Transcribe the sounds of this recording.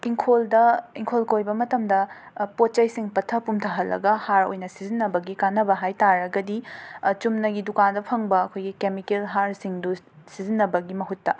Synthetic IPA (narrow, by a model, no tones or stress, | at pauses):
iŋkʰoldɐiŋkʰolkojbɐmɐtɐmdɐ | pot̚t͡ʃɐjsiŋpɐtʰɐpumtʰɐɦɐlːʔɐ̰ɡɐhaɾo̰jnɐsizinːɐbɐɡikanːɐbɐɦajtaɾɐɡɐdit͡ʃumnɐɡidukandɐpʰɐŋbɐɐkʰojɡikemikelɦaɾsiŋdu | sizinːɐbɐɡimɐɦutːɐ